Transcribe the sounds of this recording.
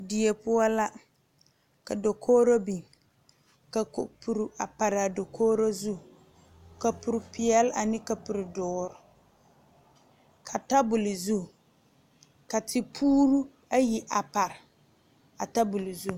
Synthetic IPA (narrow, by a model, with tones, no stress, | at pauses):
di˨e˨pʊ˦ɔ˦la˦ | ka˨do˨kʰoː˦ɾo˦bi˨ŋ | ka˨ko˨pu˨ɾu˨a˨pa˨ɾɪ˨a˨do˨kʰoː˦ɾo˦zu˦˨ | ka˨pʊ˨ɾɪ˨pɪ˨ɛ˦la˨nɪ˦ka˨pu˨ɾɪ˨dʊː˨ɾʊ˨ | kʰa˨ta˦bʊ˨lɪ˨zu˦˨ | ka˨tʰɪ˨pʰuː˦ɾu˦ | a˦ji˨ʔa˨pa˨ɾɪ˨ | a˨ta˦bʊ˨lɪ˨zu˦˨